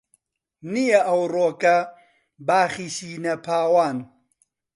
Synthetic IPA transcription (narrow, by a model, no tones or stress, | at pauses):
nijɐʔɐwroːkɐ | baːχiʃiːnɐpʰaːwaːn